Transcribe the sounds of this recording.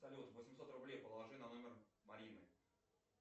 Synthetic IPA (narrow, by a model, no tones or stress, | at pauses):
sɐlʲut̪vəsʲɪmʲso̞t̪rʊblʲejpəlˠlˠɐʐɨnɐno̞mʲɪrmɐɾʲinɨ̰